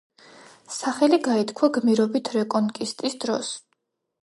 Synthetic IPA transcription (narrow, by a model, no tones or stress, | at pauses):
saχɛliɡait̪ʰkʰwaɡmiɾɔbit̪ʰɾɛkʼɔnkʼist̪ʼisd̪ɾɔ̰s